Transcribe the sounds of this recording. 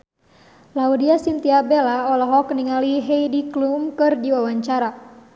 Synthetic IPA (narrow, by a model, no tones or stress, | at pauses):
laudiasint̪iabelaɔlɔɦɔkəniŋaliɦejdiklumkɨrdiwawaɲt͡ʃaɾa